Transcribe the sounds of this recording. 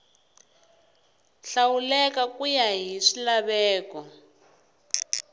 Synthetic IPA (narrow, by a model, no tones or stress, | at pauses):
ɬawulɛkakujaɦiʂilaβɛːkɔ